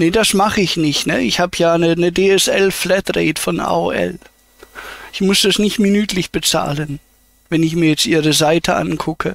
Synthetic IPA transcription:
nəd̥asmaχəɪçnɪçtnəɪçhaːbəjaːnənədeːɛsʔɛlflɛtʁɛːtfɔnʔa̰ːo̰ʔɛ̰l | ʔɪçmʊsd̥asnɪçtminyːtʰlɪçb̥ət͡sa̰ːlən | vɛnɪçmiːɐjɛt͡stʔiːʁəzaɪtʰəʔa̰nkʰʊkʰə

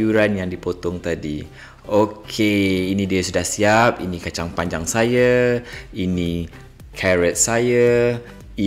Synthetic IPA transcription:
uɾanjaŋdipot̪ɔŋt̪adi | okʰeinĩdiəsudahsiapḭnĩkat͡ʃaŋpaɲd͡ʒaŋsaja | inĩ | kʰɛɾət̪̚saja | i

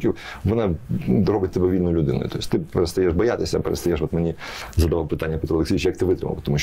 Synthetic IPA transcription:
kʲiwʋɔnɑɾɔbɪt̚ʲt̪ɔbɛʋʲilʲnʊjʊlʲʊd̪ɪnʊ̰jʊt̪ɔjʲisʲt̪ɪpeɾest̪ɐjɛʃbɔjat̪ɪsʲɐpḛɾḛst̪ɐjɛʂʋɔt̪menʲizɐd̪ɐʋɑlwpɪt̪anʲːɐpʲɛt̪ɾulˠeksʲiːit͡ʃjɐk̚t̪ɪʋɪt̪ɾɪ̰mɐ̰pɔt̪ɔmuɕ

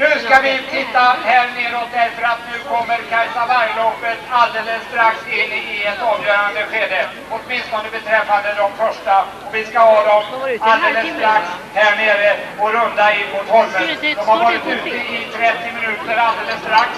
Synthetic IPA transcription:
nʉ̟ːskavɪt̪ʰɪt̪ːahæːɾneːd̪ɔt̪̚d̪ɛɾfəɾat̪nʉ̟ːkʰɔmːəɾkʰaɾsavaɾjlɔpːət̪ald̪eːləsːt̪ɾaksɪnːɪɛt̪ɑːvjœːɾand̪əɧeːd̪ə | ɔt̪mɪnst̪ʰɔnd̪əbɛt̪ʰɾɛfːand̪əd̪ɔmfœʂʈa | ɔvɪskahɑːd̪ɔmald̪eːləsːt̪ɾaks | hæːɳeːɾəɔɾɵnd̪aɪnmʊt̪hɔnːənd̪ɔmhaɾvɑːɾɪt̪ʉ̟ːt̪ːəɪt̪ʰɾɛt̪ːɪmɪnʉ̟ːt̪əɾald̪eːləst̪ɾaks

